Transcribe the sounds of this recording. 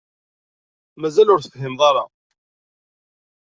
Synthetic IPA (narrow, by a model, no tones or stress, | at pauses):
mæzælʊɾθθɦɪmðˤɑɾˤɑ̰